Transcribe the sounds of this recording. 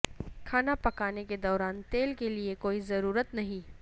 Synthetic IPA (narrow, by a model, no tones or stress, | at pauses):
kʰaːnapɐkaːneked̪ɔːɾaːnt̪eːlkeliekoːizɐɾuːɾət̪nɐɦĩː